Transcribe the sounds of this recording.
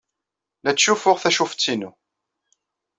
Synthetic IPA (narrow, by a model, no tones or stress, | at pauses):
læt͡sːʃufʊʁθæʃuft͡sːinu